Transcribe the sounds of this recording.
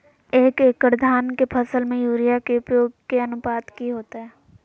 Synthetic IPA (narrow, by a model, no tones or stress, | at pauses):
eːkeːkəɾd̪ʱaːnkepʰɐsəlmẽjuːɾijakeʊpjoːɡ̚keɐnʊpaːd̪kiɦoːt̪eɦɛː